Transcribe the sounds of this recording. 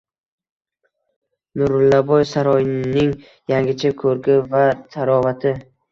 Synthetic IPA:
nʊɾʊlːabɒjsaɾɒjnɪŋ | jaŋɡʲɪt͡ʃʰakʰɵɾɡʲɪvat̪ʰaɾɒvat̪ʰɪ

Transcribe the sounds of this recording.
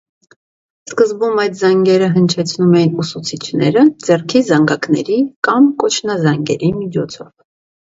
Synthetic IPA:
skəzbumɑjt̪zɑŋɡɛɾəɦənt͡ʃʰɛt͡sʰnumɛjinusut͡sʰit͡ʃʰnɛɾəd͡zɛrkʰizɑŋɡɑknɛɾikɑmkɔt͡ʃʰnɑzɑŋɡɛ̰ɾimit͡ʃʰɔt͡sʰɔv

